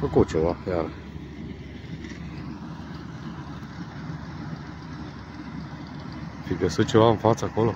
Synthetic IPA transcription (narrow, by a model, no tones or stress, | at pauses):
fəkut͡ʃevajaɾə | fiɡəsɨt̪̚t͡ʃe̞vaɨnfat̪səakolo